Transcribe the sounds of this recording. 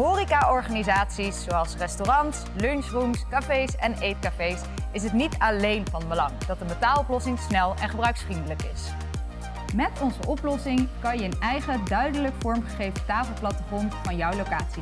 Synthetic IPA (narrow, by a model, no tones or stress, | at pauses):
ɦoːrikaɔɹχaːnizaːtsisːowɑlˠsrɛstorɑntslønsrumskafejsɛnejtkafejs | ɪs̬ɦətnitalejnvɑnbəlɑŋd̥ɑt̚dəmətaːlɔplɔsɪŋsnɛlˠɛ̰nχəbrœɥksfrindələkɪs | mɛtɔnzəʔɔplɔsɪŋkɑnjəənɛjχədœɥdələkfɔɹmχəχejvəntaːfəlˠplɑtəχɔnvɑnjɔwlowkaːtsi